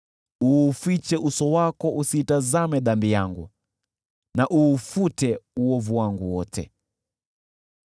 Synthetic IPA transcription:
uːfit͡ʃɛʔusɔwakɔusiːtazamɛðambijaŋɡu | naʔuːfutɛuwɔvuwaŋɡuwɔtʰɛ̰

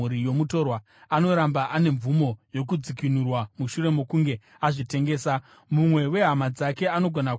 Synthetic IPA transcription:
uɾijo̞muto̞rwa | ano̞ɾambaʔane̞ɱvumo̞jo̞k̬ud͡zikinurwamuʃure̞mo̞kuŋɡe̞ | aʐite̞ŋɡe̞ːsa | mumwe̞we̞ɦamad͡zake̞ano̞ɡʱona

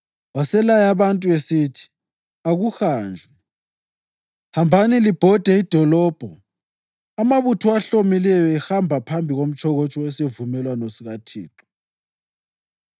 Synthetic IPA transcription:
wasɛlajaβantʼuesitʰi̥ | aɣuxaːnd͡ɮʱɛ | hambʱanilib̥ʱɔd̥ʱɛid̥ʱɔlɔːb̥ʱɔ | amaβutʰuaɬomilɛjɔɛxambʱapʰambʱiɣom̩t͡ʃʰʼɔɣot͡ʃʼɔɛsevumɛlwanosiɣatʰḭːǁɔ̥

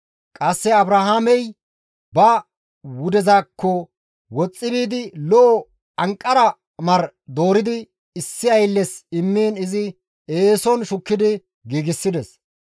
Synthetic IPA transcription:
kʼɐsːɛɐbɾahaːmɛj | bɐ | wʊd̪ɛzaːkːɔ | wɔt͡sʼːɪbiːd̪ɪlɔʔɔ | ɐŋkʼːɐɾɐ | mɐɾ | d̪o̞ːɾɪd̪ɪ | ɪsːɪɐjlːɛsɪmːeːnɪzɪ | eːsɔnʃʊkːɪd̪ɪ | ɡiːɡɪsːɪd̪ɛs

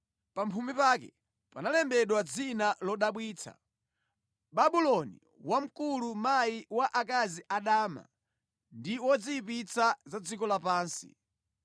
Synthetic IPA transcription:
pampʰumipakɛ̰ | panalɛmbɛɗwad͡zinalɔɗaɓwiːt͡sʰa̰ | ɓaɓulɔnḭ | wam̩kulumajiwaʔakaziʔaɗaːma̰ | ndiwɔd͡ziipit͡sazad͡zikɔlapaːnsḭ

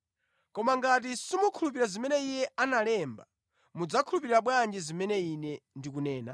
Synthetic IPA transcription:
kɔmaŋɡat̬isimukʰulupiɾazimɛnɛijɛanalɛmba | mud͡zakʰulupiɾiɾaɓwand͡ʒizimɛnɛinɛndikunɛːna̰

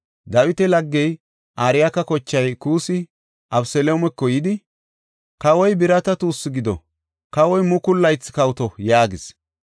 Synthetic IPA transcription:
d̪ɐwɪt̪ɛlɐɡːɛj | ʔaːɾɪjakɐkɔt͡ʃːɐjkuːsɪ | ʔɐbsɛloːmɛkːɔjɪd̪ɪ | kɐwɔjbɪɾɐt̪ɐt̪uːsːɪɡɪd̪ɔ̰ | kɐwɔjmʊkʊlːɐjt͡sːkɐwt̪ɔjaːɡɪs

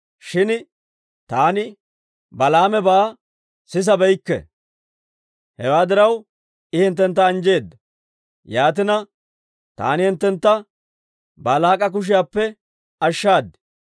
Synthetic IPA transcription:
ʃɪn | t̪aːnɪ | bɐlaːmɛbaː | sɪs̬ɐbɛjkːɛ̰ | hɛ̰waːd̪ɪɾɐw | ɪhɪnt̪ːɛnt̪ːɐːnd͡ʒe̞ːd̪ːɐ | jaːt̪̬ɪnɐ | t̪a̰ːnɪhɪnt̪ːɛnt̪ːɐ | baːlaːkʼɐk̬ʊʃ̬ɪjaːpːɛ | ɐʃːaːd̪ɪ̥

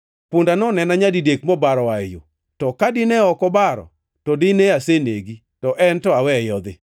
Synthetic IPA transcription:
pundanɔnɛnaɲadidekmɔbaɾɔwajo̰ | tɔkadɪnɛɔkɔbaɾɔ̰ | tɔdɪneaseneɡi | tɔʔɛntɔawɛjɔd̪ɪ

